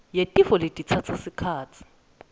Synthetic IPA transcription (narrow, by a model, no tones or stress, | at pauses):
jetʼifɔletʼit͡sʰat͡sʰasikʰaːt͡sʰi̥